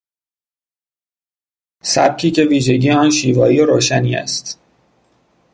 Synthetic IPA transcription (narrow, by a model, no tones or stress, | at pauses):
sæb̥̚cʰiːcʰe̞viːʒe̞ɟiːeɒːnʃiːvɒːiːeɾoːʃæniːæ̰st̪